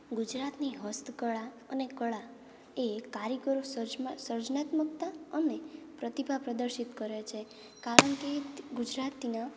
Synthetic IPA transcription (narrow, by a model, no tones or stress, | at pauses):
ɡud͡ʒɾat̪niɦəst̪kəɭa | ənekəɭa | ekaɾikəɾosd͡ʒsəɾd͡ʒnat̪mək̚t̪aənepɾət̪ibʱapɾəd̪əɾʃit̪kəɾet͡ʃʰe | kaɾəɳkeɡud͡ʒɾat̪ina